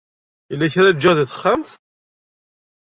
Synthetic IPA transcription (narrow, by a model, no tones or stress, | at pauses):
ilːæçɾæd͡ʒːæðiθə̥χːamθ